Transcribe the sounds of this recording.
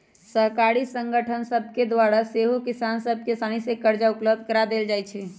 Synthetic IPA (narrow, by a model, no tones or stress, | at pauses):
səɦkaɾisə̃ŋɡəʈʰənsəbʱked̪waɾaseɦokisansəb̚ʱkesanisekəɾd͡ʒaʊpləbd̪̚ʱkəɾad̪eld͡ʒajt͡ʃʰɛ